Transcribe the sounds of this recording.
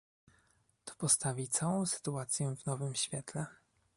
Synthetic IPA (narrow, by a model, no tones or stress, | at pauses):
t̪ɔ̥pɔst̪avʲit̪sawɔ̃w̃sɘ̥t̪uat̪sʲjɛvnɔvɘmɕfʲjɛt̪lɛ